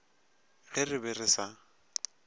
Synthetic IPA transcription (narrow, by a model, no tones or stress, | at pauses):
ɣɪrɪbɪrɪsa